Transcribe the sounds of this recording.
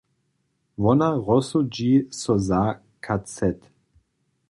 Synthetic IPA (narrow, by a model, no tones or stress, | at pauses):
ʋɔnaʁɔsud͡ʒiːsɔza | kʰat͡sɛt̪